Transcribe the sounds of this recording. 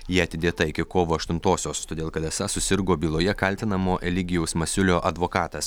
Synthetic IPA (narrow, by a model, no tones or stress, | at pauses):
jiːɐt̪ʲɪd̪ʲeːt̪ɐɪkʲɪkoːʋoːɐʃt̪ʊnt̪oːsʲoːst̪oːd̪ʲeːlˠkɐd̪ɛsɐsʊsʲɪɾɡoːbʲiːlˠoːjɛkɐlʲt̪ʲɪnɐmoːʔʲɛlʲɪɡʲɪjɛʊsmɐsʲʊlʲoːʔɐd̪ʋoːkɑːt̪ɐs